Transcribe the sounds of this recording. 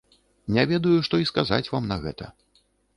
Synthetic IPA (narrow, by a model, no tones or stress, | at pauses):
nʲavʲɛd̪ɐjuʂt̪ɔiskaza̰t͡sʲvamnɐɣɛ̰t̪ɐ̰